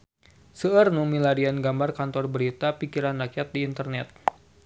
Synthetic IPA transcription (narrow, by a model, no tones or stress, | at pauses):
səərnumilaɾianɡambarkant̪ɔrbəɾit̪apikiɾanrakjat̪̚diːnt̪ərnɛt̪̚